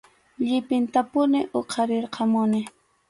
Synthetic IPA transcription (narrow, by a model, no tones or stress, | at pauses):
ʎɪpɪnt̪apʊnɪʔoqʰɑɾɪɾqɑmʊnɪ